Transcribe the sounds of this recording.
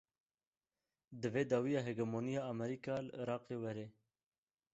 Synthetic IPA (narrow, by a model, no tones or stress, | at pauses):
d̪əveːd̪ɑːwijɑːɦeɡɐmoːnijɑːmɛɾikɑːləɾɑːqeːwɛɾeː